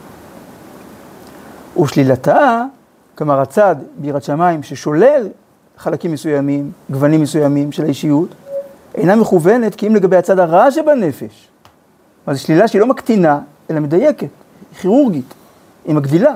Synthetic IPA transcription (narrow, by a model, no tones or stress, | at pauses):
uʃlilata | kamaʁat͡sad̪beiʁatʃamaimʃe̞ʃo̞le̞l | χalakimːesujamimɡvanimːesujamimʃelaiʃijut | ḛjname̞χuve̞ne̞t̪kiimleɡabehat͡sadaʁaʃ̬ebane̞fe̞ʃ | mazeʃlilaʃeilo̞makt̪ina | elamed̪aje̞ke̞t | χiʁuʁɡit | imaɡd̪ila